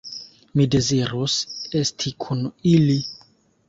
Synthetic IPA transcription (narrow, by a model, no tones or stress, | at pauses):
mide̞ziɾose̞stʰikʰunili